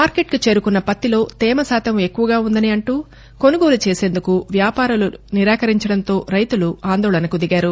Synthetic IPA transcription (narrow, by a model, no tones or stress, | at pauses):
maːɾke̞ʈkit͡ʃe̞ːɾukunːɐpɐt̪ːilo̞ːt̪ɛːmɐsaːt̪ɐme̞kːuʋɐɡaːund̪ɐniɐɳʈuː | ko̞nuɡo̞ːlut͡ʃe̞ːse̞ːnd̪ukuʋjaːpaːɾuluniɾaːkɐɾiɲt͡ʃɐɽɐnt̪o̞ːɾɐjt̪uluaːnd̪ɔːɭɐnɐkud̪iɡaːɾu